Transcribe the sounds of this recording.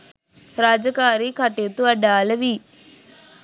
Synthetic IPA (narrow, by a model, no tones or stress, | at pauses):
ɾaːd͡ʒɐkaːɾiːkɐʈet̪uɐɖaːlɐʋi